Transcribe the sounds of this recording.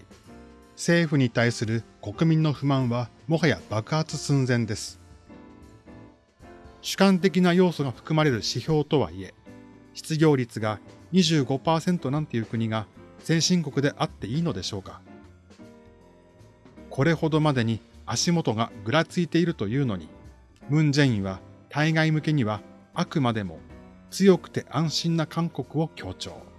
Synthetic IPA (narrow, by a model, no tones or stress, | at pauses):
se̞ːɸɯ̟ɲ̟it̪aisɨɾɯ̟ko̞kɯ̟mʲĩnːoɸɯ̟mãɰ̃βa | mo̞ɦajab̥akɯ̟hat͡sɨsɨ̃nd͡zẽ̞nd̪e̞sɨ̥ | ɕɨ̥kãnt̪e̞k̬ʲinajo̞ːso̞ɡaɸɯ̥kɯ̟maɾe̞ɾɯ̟ɕiço̞ːt̪o̞β̞a̰ie̞ | ɕi̥t͡sɨɡʲo̞ːɾʲit͡sɨɡaɲ̟iʑɨːɡo̞paːsẽ̞nt̪o̞nãnt̪e̞jɯ̟kɯ̟ɲ̟iɡasẽ̞ɰ̃ɕĩŋko̞kɯ̟d̪e̞ʔat̪ːe̞iːno̞d̪e̞ɕo̞ːkḁ | kʰo̞ɾe̞ho̞d̪o̞mad̪e̞ɲ̟iaɕimo̞t̪o̞ɡaɡɯ̟ɾat͡sɨit̪e̞iɾɯ̟t̪o̞jɯ̟ːno̞ɲ̟i | mɯ̟̃ɲd͡ʑẽ̞ɰ̃ĩβat̪aiɡaimɯ̟ke̞ɲ̟iβa | akɯ̟mad̪e̞mo̞̰ | t͡sɨjo̞kɯ̟̥t̪e̞ʔãɰ̃ɕĩnːakʰãŋko̞kɯ̟o̞kʲʰo̞ːt͡ɕo̞̰ː